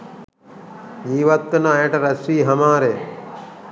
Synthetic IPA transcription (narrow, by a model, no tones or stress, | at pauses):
jiːʋɐt̪ːɐnaːjeʈɐɾɐsɾiːɦɐmaːɾe